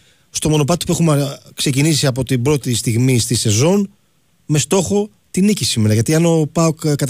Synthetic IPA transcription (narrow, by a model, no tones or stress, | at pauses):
st̪o̞mo̞no̞p̬ɐt̪i̥pue̞xumkse̞cinisiɐp̬o̞t̪ibɾo̞t̪ist̪iɣmist̪ise̞zo̞n | me̞st̪o̞xo̞ | t̪inicisime̞ɾɐʝɐt̪iɐno̞pɐokkːɐt̪